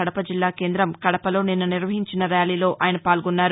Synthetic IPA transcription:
ɐɽɐpɐd͡ʒilːaːke̞ːnd̪ɾɐmkɐɽɐpɐlo̞ːninːuniɾʋɐɦiɲt͡ʃinɐɾjaːliːlo̞ːʔʔaːjɐnɐpaːlɡunːaːɾ

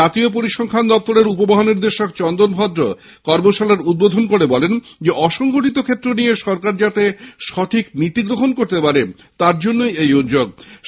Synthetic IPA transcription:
at̪iopoɾiʃɔŋkʰand̪ɔp̚t̪oɾeɾup̬obaɦoniɾd̪eʃokt͡ɕɔnd̪onbʱɔd̪ɾo | kɔɾmoʃalaɾud̪̚bod̪ʱonkoɾebɔlend͡ʑeʔɔʃɔŋɡoʈit̪okʰet̪ːɾonijeʃɔɾkaɾd͡ʑat̪eʃɔt̪ʰiknit̪iɡɾoɦonkoɾt̪epaɾe | t̪aɾd͡ʑonːojejud̪d͡ʑoɡ̚

